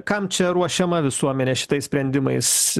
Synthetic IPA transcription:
kɐmt͡ʃʲɛɾuɔʃʲɛmɐʋʲɪsuɔmʲɛnʲɛʃʲɪ̥t̪ɐɪsʲpʲɾʲɛnʲd̪ʲɪmɐɪs

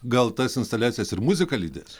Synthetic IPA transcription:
ɡɐlˠt̪ɐsɪnst̪ɐlʲæːtsʲijɛsɪɾmʊzʲɪkɐlʲiːd̪ʲɛsʲ

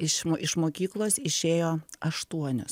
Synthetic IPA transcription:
ɪʃoɪʃmoːkʲiːklˠoːsɪʃʲeːjoːɐʃt̪uɔnʲʊ̰s

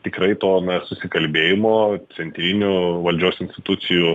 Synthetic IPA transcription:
t̪ʲɪkrɐɪt̪oːnɐsʊsʲɪkɐlʲbʲeːjɪmoːsʲɛnʲt̪ʲɾʲɪnʲʊʋɐlʲd͡ʒʲoːsɪnʲsʲtʲɪt̪ʊt̪sʲɪju

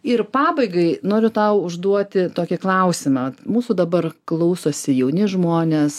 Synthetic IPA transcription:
ɪrpɑːbɐɪɡɐɪnoːɾʲʊt̪ɐʊʊʒd̪uɔt̪ʲɪt̪oːkʲɪklˠɐʊsʲɪmɐɐtmuːsuːd̪ɐbɐrklˠɐʊsoːsʲɪjɛʊnʲɪʒmoːnʲeːs

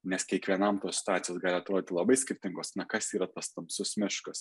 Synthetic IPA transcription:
nʲɛskʲɛkʋʲiɛnɐmt̪oːssʲɪ̥t̪ɑːt̪sʲɪjoːsɡɑːlʲɪɐt̪ɾoːdʲɪːt̪ʲɪlˠɐbɐɪsʲkʲɪɾʲt̪ʲɪŋɡoːsnɐkɐsiːɾɐt̪ɐst̪ɐmsʊsmʲɪʃkɐs

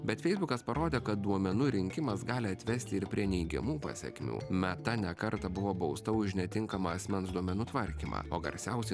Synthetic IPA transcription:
bʲɛt̪fʲɛɪzbʊkɐspɐɾoːd̪ʲeːkɐt̪̚d̪uɔmʲɛnuːɾʲɪŋʲkʲɪmɐsɡɑːlʲɪɐt̪ʲʋʲɛsʲt̪ʲɪɪɾpʲɾʲiɛnʲɛɪɡʲɛ̰muːpɑ̰ːsʲɛ̰kʲmʲṵːmʲɛt̪ɐnʲɛkɐɾt̪ɐbʊʋoːbɐʊst̪ɐʊʒʲnʲɛt̪ʲɪŋkɐmɐɐsʲmʲɛnsd̪uɔmʲɛnuːt̪ʋɐɾʲkʲiːmɑ̰ːoːɡɐ̰ɾʲsʲɛʊsʲɛ

